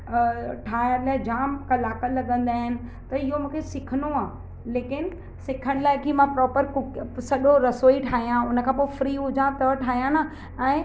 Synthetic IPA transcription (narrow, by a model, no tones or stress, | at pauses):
ʈʰaːɦɪəlaːɪd͡ʑaːmkɐlaːkəlɐɠə̃nd̪aːɦɪnɪ̆ | t̪ɐɪɦomũːkʰesɪkʰənoaː | leːkɪn | sɪkʰəɽ̃laːɪkimãpɾɔːpəɾkʊksɐɗoɾɐsoːiʈʰaːɦijãʊnə̆kʰãːpoːɪfɾiːɦʊd͡ʑãt̪ɐʋʈʰaːɦijãna | ɛ̃ː